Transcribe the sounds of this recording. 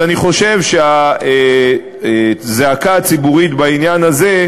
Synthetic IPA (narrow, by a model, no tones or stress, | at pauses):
aniχo̞ʃe̞vʃeae | zeakat͡sibuʁit̪bainjanaze̞